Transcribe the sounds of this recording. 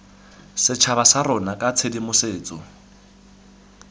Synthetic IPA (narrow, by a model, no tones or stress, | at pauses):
sɪt͡ʃʰaβasaɾɔnakʼat͡sʰedimʊseːt͡sʼɔ